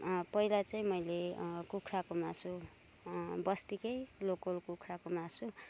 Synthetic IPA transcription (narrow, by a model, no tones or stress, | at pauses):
pʌilat͡saĩmʌjlekukʰɾakomasu | bʌst̪ikʌjlokolkukʰɾakomasu